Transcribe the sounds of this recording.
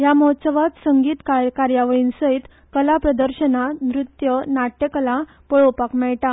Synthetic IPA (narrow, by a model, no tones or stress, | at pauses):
jamɔt̪səʋat̪səŋɡiːt̪kakaɾjaʋəɭiːnsəit̪ | kəlapɾəd̪əɾɕənanɾut̪jənaʈːekəla | pəɭopakmɛɭʈa